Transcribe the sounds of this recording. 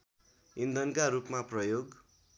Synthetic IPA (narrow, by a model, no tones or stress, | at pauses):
ind̪ʌnkaɾupmaprʌjoɡ